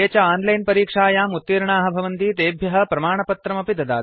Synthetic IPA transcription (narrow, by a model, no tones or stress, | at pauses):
eːt͡ʃaaːnlɐjnpɐɾiːkʂaːjaːmut̪ːiːɾɳaːɦɐ̆bʱɐʋɐnt̪iːt̪eːbʱjɐɦɐ̆pɾɐmaːɳɐpɐt̪ɾɐmɐpid̪ɐd̪aː